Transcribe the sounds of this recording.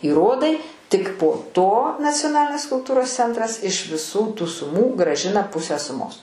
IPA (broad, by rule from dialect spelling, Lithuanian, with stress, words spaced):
iːˈroːdɐɪ ˈtʲɪk poː ˈtoː nɐt͡sʲoːˈnɑːlʲɪnʲeːs kʊlˠˈtuːroːs ˈt͡sʲɛntrɐs ɪʃ ʋʲɪˈsuː tuː sʊˈmuː ɡrɑːˈʒʲɪnɐ ˈpʊsʲæː sʊˈmoːs